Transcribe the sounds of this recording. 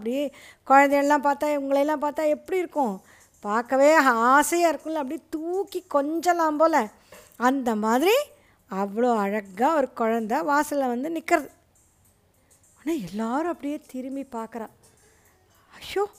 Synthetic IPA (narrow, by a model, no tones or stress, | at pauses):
pːɽɪjeː | kɔɻɐnd̪ɐjɛlːãːpaːɾt̪ãːʊŋɡɐɭɐlːãːpaːɾt̪ãːɛpːɐɽiɪɾɯkːʊ̃ | paːɾkːɐʋeːaːsɐjaːɪɾɯkːʊ̃lɐɐpːɐɽit̪uːkːikɔɲd͡ʒɐlãːmpoːlɐ | ɐnd̪ɐmaːðɪɾi | ɐʋːɐɭoːɐɻɐɣaːɔɾɯkɔɻɐnd̪aʋaːsɪllɐʋɐnd̪ɯnɪkːɪɾɐðɯ | aːnaːɛlːaːɾʊ̃ɐpːɐɽɪjeːt̪ɪɾɯmbipaːɾkɐɾãː | ɐʃoː